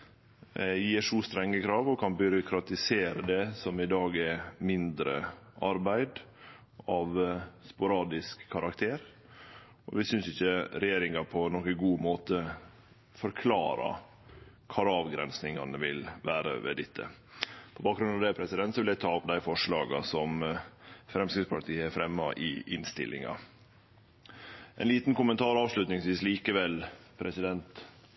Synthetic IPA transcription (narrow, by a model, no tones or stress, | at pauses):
jiːʂuːst̪ɾɛŋːəkʰɾɑːʋɔkʰɑnbʏɾʊkʰɾɑt̪ɪseːɾəd̪ɛsɔmɪd̪ɑːɡɛmɪnd̪ɾə̰ʔɑɾbæɪd̪ | ɑʋspʊɾɑːd̪ɪskʰːɑɾɑkt̪ʰeːɾ | ɔ̰ʋɪsʏnsɪçəɾɛjeːɾɪŋɑpʰɔnɔkəɡuːmoːt̪ə | fɔɾkʰlɑ̰ːɾɑ̰ | kʰɑɾɑːʋɡɾɛ̰nsnɪŋɑnəʋɪlʋæːɾə̰ʋɛ̰d̪ɪt̪ʰːə̰ | pʰɔbɑːkɡɾʉnɑʋd̪ɛpʰɾɛsɪd̪ɛnt̪sɔʋɪlæɪt̪ʰɑːd̪æɪfɔʂɭɑːɡɑ̰sɔm | fɾɛmskɾɪspʰɑʈ̪ʰiːəæfɾɛmːɑʔɪ̰ʔɪnst̪ɪ̰lʔɪ̰ŋɑ̰ | ʔɛ̰ɪnliːt̪nkʊmənt̪ʰɑːɾɑːʋʂlʉt̪nɪŋsʋiːsliːkəʋɛlpʰɾɛsɪd̪ɛnt̪